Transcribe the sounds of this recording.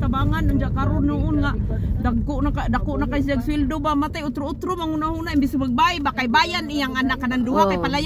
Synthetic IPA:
t̪abaŋanuɲd͡ʒaʔkaɾʊnaunŋaʔdaɡkunaadakuʔnakajs̬iaɡsuildubamat̪ajut̪ɾuut̪ɾumaŋunahunaʔimbisumaɡ̚baibakajbajanijaŋanakananduakajpalaj

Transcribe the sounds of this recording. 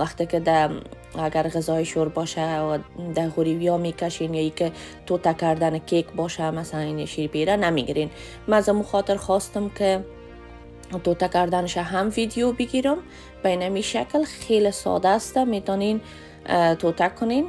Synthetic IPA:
waxt̪ɪkɪd̪a | aɡaɾɣɪzɔɪʃoɾbɔʃawad̪aɣʊɾiwjɔmekaʃenjɔikɪ | t̪ot̪akaɾd̪anɪkekbɔʃamasalannʃiɾipeɾanameɡiɾen | maːzamuxɔt̪ɪɾχɔst̪ɪmkɪ | t̪ot̪akaɾd̪anɪʃaɦamvid̪ijobɪɡiɾʊm | b̥ainamiʃaklxelɪsɔ̰d̪aːst̪amet̪ɔnen | t̪ot̪akʊnen

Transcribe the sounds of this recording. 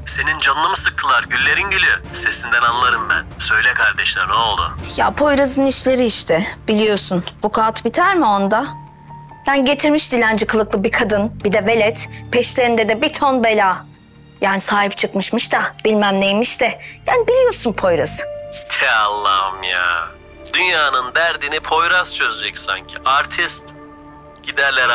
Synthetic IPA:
se̞nind͡ʒanlˠamɯsɯk̚t̪ʰɯlˠaɾɟylʲːe̞ɾinɟelʲijøse̞sind̪ænanlˠaɾɯmbæ̰nsø̞jlʲɛkʰaɾd̪ɛʃlʲˠæ̰ɾnɛolˠd̪ʊ̰ja̰pʰo̞jɾazɯniʃlʲe̞ɾiːʃt̪ʰɛbilʲijo̞sunvukʰaːt̪bit̪ʰæɾmio̞nd̪a | bænɟe̞t̪ʰiɾmiʃt̪ilʲænd͡ʒikʰɯlˠɯklˠɯbikʰad̪ɯnb̥id̪ɛve̞lʲɛt̪pʰɛʃlʲe̞ɾind̪ɛd̪ɛbit̪ʰonbelʲaː | jaːnisaːɦipt͡ʃʰɯkmɯʃmɯʃt̪ab̥ilʲmæmnejmiʃt̪ɛjaːnibilʲijo̞sunpʰo̞jɾazɯ̥t̪ʰɛa̰lˠːa̰mja̰ | d̪̥ynjaːnɯnd̪æɾd̪inipʰo̞jɾast͡ʃʰøzed͡ʒɛcsa̰ɲcʰiaɾt̪ʰist̪ | ɟ̥id̪æɾlʲɛɾ

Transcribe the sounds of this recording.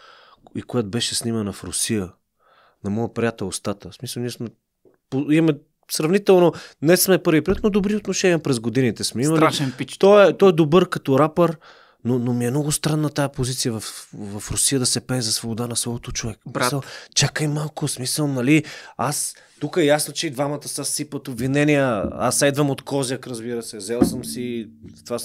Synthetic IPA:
ikojat̪obɛʃɛsnimɐnɐfɾʊsijə | nɐmɔjəpɾʲijat̪ɛlˠost̪at̪əsmisəlˠniɛsmɛ | poimɐmɛ | sɾɐvnit̪ɛlˠnonɛsmɛpɤɾvipɾiət̪nod̪obɾiot̪noʃɛniəpɾɛzɡod̪init̪ɛsmɛiməlliaʃɛit̪ɔɛt̪ɔɛd̪obɤɾkɐt̪ɔɾapəɾ | nonomiɛmnɔɡʊst̪ɾanːɐt̪ajəpozit̪sijəvɐfvɐfɾʊsijəd̪ɐsɛpɛːzɐsvobod̪anɐslɔvot̪ot͡ʃovɛkmiət͡ʃakəimalˠkʊsmisəlˠnɐlias | t̪ukəɛjasnot͡ʃɛid̪vamɐt̪əsasipət̪obvinɛnijəa̰sɛd̪vɐmot̪kʰɔzʲjəkɾɐzbiɾəsɛzɛlˠsəmsit̪ova

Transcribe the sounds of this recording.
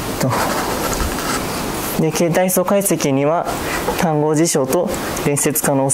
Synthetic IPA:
t̪o | d̪e̞ke̞ːt̪aiso̞kaise̞kʲiɲ̟iβa | t̪ãŋɡo̞ːʑiɕo̞ːt̪o̞ | ɾẽ̞ɰ̃se̞t͡sɨ̥kano̞ː

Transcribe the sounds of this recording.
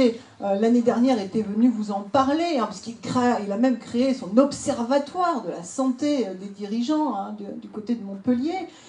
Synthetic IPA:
e | ølaned̪ɛʁnjɛʁet̪ɛvənyvuzɑ̃paʁleɛ̃pḁsəkilkχeilamɛmkχeesɔ̃nɔpsɛʁvat̪waʁd̪əlasɑ̃t̪ed̪ed̪iʁiʒɑ̃ɛ̃d̪əd̪ykot̪ed̪əmɔ̃pəlje

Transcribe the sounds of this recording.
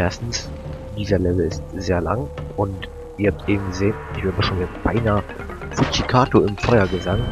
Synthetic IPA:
ʔɛɐstn̩s | d̥iːzɐlɛvl̩ɪstz̥eːɐla̰ŋʊnt | ʔiːɐhap̚tʔeːbm̩ɡəzeːnɪçv̥ɛɐəmaʃoːnɛb̥aɪnaːə | fut͡ʃikʰaːtoɪmfɔʏɐɡəzaŋ

